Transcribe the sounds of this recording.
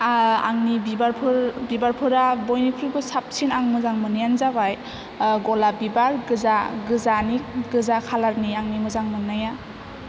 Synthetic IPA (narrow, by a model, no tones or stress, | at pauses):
a̰ŋnibibaɾpʰɯɾbibaɾpʰɯɾabɔjnipʰibɯsap̚sinaŋmɯzaŋmɯnijanzabaj | ɡɔlabibaɾɡɯzaɡɯzanik̚ɡɯzakʰalaɾniaŋnimɯzaŋmɯnaja